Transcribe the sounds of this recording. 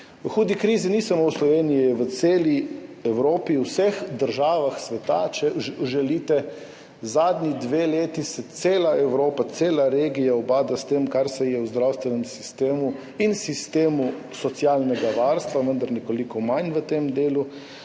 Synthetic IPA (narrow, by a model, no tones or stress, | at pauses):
əxuːd̪ikɾiːzinisamowslɔʋeːnijijɛʋət̪seːliɛwɾoːpiwsəxd̪əɾʒaːʋaxsʋɛt̪at͡ʃɛʒɛlit̪ɛ | zaːd̪nʲid̪ʋeleːt̪isɛt̪seːlaɛwɾoːpat̪seːlaɾeːɡijaɔbaːd̪ast̪emkaɾsɛjɛwzd̪ɾawst̪ʋɛnɛmsi̥st̪eːmu | insist̪eːmu | sɔt̪sialnɛɡaʋaɾst̪ʋaʋənd̪aɾnɛkolikɔmajnʋət̪emd̪eːlu